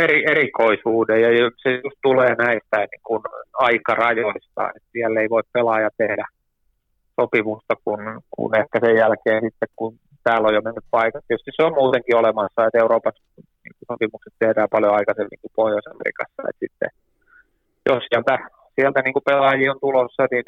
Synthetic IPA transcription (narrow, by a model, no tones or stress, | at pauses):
erierikoisuːdejjɑjsejust̪t̪uleːnæist̪æinnḭŋkunɑikɑrɑjoist̪ɑ̰ːnḛt̪siælːeiʋoippelɑːjɑt̪ehdæ | sopimust̪ɑkunkṵnehkæsejjælkeːnsit̪ːekkun | t̪æːlːojomenːyppɑikɑt̪etyst̪isseommuːt̪eŋkiolemɑsːɑet̪euɾoːpɑs | nḭːŋkusopimukset̪t̪ehɾæːpɑljoɑikɑsemnḭŋkupohjosɑ̰mḛrḭkɑ̰sːɑ̰ḛt̪sit̪ːḛ | jossiælt̪æ | siælt̪æniːŋkupelɑːjiont̪ulosːɑnin